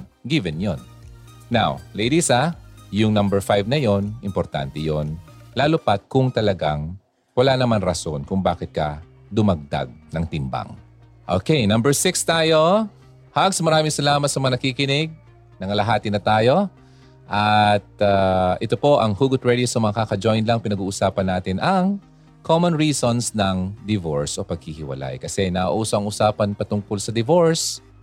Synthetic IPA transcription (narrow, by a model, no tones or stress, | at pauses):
ɡɪvɛnjonː | a̰wlejd̪isɐjʊŋnɐmbɛɹfajvnɐjonʔɪmpoɾt̪a̰nt̪ɛjonlaːlopɐt̪̚kʊŋt̪ɐlɐɡaŋ | wɐlanɐmanɾɐso̞nkʊŋbaːkɪt̪̚kɐ | d̪ʊmɐɡ̚d̪a̰ɡ̚nɐŋt̪ɪmba̰ŋ | ʔo̰kejnɐ̃mbɛɹsɪkst̪aːjo̞ | haɡsmɐɾaːmɪŋsɐlaːmɐt̪̚sɐmɐŋanɐkiːkɪnɪɡ̚ | nɐŋalɐɦaːt̪ɪnɐt̪aːjo̞ | ʔɐt̪̚aʔɪt̪o̞po̞ʔɐŋhuːɡʊt̪̚ɹɛd̪iosɐmɐŋakakɐd͡ʒojnlɐŋpɪnɐɡuːʔʊsaːpɐnːaːt̪ɪnʔɐŋ | kʰomõnɹiːsonsnɐŋd̪ɪvoɹsʔo̞pɐɡ̚hihɪwɐ̰la̰jkɐsɛnɐʔɐ̰ʔʔuːsoʔɐŋʔʊsaːpɐnpɐt̪ʊŋkolsɐd̪ɪvoɹs